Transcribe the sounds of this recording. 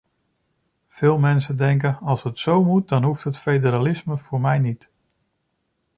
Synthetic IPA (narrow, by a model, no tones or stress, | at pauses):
v̥ɪːlˠmɛnsədɛŋk̬ənɑlˠsɦətsowmut̚dɑnɦuftɦətfejdəɾalɪsməvʊːɹmɛjnit